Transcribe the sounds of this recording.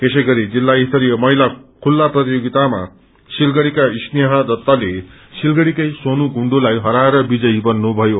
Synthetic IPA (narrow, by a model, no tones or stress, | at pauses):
k̪esʌjɡʌɾid͡zilːaist̪ʌɾijʌmʌɦilakʰulːaprʌt̪ijoɡit̪ama̰ | silɡʌɽikaisnijɦʌ̃d̪ʌt̪ːale | silɡʌɽikʌjsonuɡʱuɳɖulajɦʌɾaeɾʌbid͡zʌjibʌnːubʱʌjo